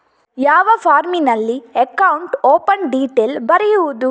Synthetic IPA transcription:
jaːʋɐpʰaːɾminɐlːiekɐwuɳʈoːpɐnɖiːʈeːlbɐɾɛjuʋud̪u

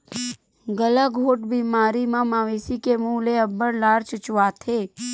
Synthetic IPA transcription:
ɡəlaɡʱoːʈbiːmaːɾimãmaːʋeːsikemuːleəbːəɽlaːɾt͡ʃʊt͡ʃʊwaːt̪ʰeː

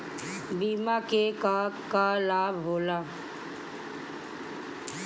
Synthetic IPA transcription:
biːmakekakalaːbɦoːlaː

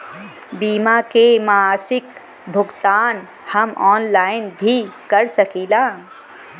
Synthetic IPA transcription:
bimakemaasɪk | bʱʊɡt̪aːn | həmɔːnlaːɪnbʱikəɾsəkilãː

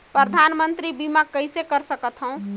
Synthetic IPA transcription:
pɾəd̪ʱanmənt̪ɾibimakːəɪsekəɾsəkət̪ɦə̃ʊ̃

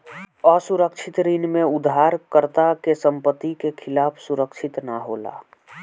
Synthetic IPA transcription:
ɔːsʊɾəkʃʰɪt̪ɾinmẽʊd̪ʱɦaːɾkəɾt̪akesə̃mpət̪ːikekʰɪlaːpʰsʊɾəkʃɪt̪naɦo̰ːla̰ː

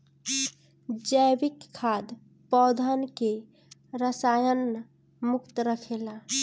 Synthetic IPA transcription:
d͡ʒəjbikʰːad̪ | pɔd̪ʱənke | ɾəsajən | mukt̪ɾəkʰela

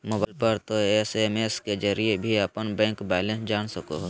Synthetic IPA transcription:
moːbalpəɾt̪oesemesked͡ʒəɾiebʱiɐpənbɛ̃ːŋkbɛːlẽnsd͡ʒaːnsəko̰ɦ

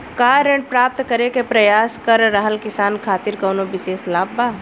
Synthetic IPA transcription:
kaːɾẽɳɖ̚pɾaːp̚t̪kəɾekepɾɐjaːskɐɾːəɦəlkɪsaːnkʰaːt̪ɪɾkɐːnobɪseːslaːbːaː

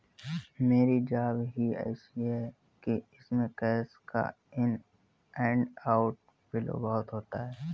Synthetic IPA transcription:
meːɾid͡ʒaːbɦiɛ̰ːʃiɦɛ | kiɪsmẽkɛːska̰ | ɪn | ɛ̃ːɳɖaːʊʈ̚ | bɪlo̰bɐɦʊt̪ɦoːt̪aɦɛː

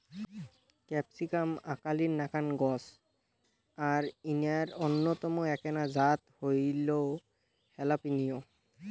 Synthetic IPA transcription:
kɛpsikamakaliɹnakʰanɡɔs | aɹinijaɹɔnːɔt̪ɔmɔɛkɛnazat̪hojlow | hɛlapinijɔ

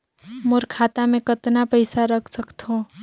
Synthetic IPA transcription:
mʊɾkʰaːt̪amẽkət̪napəɪsaɾəkʰsəkt̪ɦõ

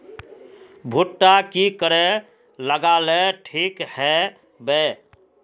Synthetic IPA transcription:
bʱuʈːakikəɾɛ | ləɡaleʈʰikhɛ | be

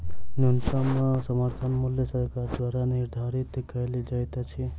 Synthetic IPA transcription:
nunsamãsəməɾt̪ʰənmʊljəsəɾkaɾd̪ʋaːɾanɪɾd̪ʱaɾit̪kəlid͡ʒajt̪at͡ʃʰi

